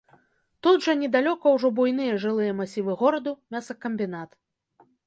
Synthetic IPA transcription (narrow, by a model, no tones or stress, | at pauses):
t̪ud̪ʐɐnʲɛd̪alʲɔkɐwʐɔbujnɨjɐʐɨlˠɨjɐmasʲivɨɣɔɾɐd̪umʲasɐkɐmʲbʲinat̪